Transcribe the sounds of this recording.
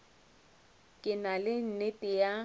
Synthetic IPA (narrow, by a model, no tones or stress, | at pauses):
kʼɪnalɪn̩nɪtʼɪja